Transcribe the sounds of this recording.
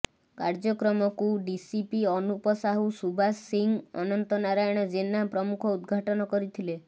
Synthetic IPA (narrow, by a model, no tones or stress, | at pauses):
kaɾd͡ʒɔkɾɔmɔkuɖisipiɔnupɔsaɦusubʱasiŋɔ̰nɔnt̪ɔnaɾajɽ̃ɔd͡ʒenapɾɔmukʰɔud̪ɡʱaʈɔnɔkɔɾit̪ʰile